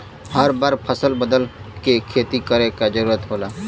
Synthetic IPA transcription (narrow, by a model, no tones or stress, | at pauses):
həɾbəɾpʰəsəlbəd̪əlkekʰeːt̪ikəɾẽkad͡ʒəɾuːɾət̪ɦoːlaː